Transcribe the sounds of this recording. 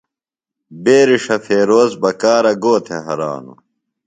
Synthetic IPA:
beːɾiʂɐfeːɾoːzbɐkaːɾɐɡoːt̪ʰeɦɐɾa̰ːnṵ

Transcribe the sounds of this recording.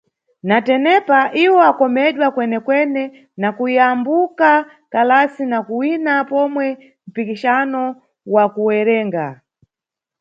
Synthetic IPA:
natɛnɛpaʔiwɔakɔmɛɗwakwɛnɛkwɛnɛ | nakuiambuka | kalasinakuwinapɔmwɛ | m̩pikiʃanɔ | wakuwɛɾɛːŋɡa

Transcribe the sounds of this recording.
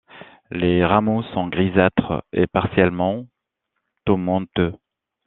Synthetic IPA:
leʁamosɔ̃ɡʁizat̪χḛpaʁsjɛlmɑ̃ | t̪omɑ̃t̪ø

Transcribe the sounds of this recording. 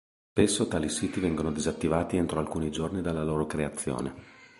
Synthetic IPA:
spesːot̪aːlisiːt̪ivɛŋɡonod̪izat̪ːivaːt̪ient̪ɾoalkuːnid͡ʒornid̪alːaloːɾokɾeat̪sːjo̰ːne

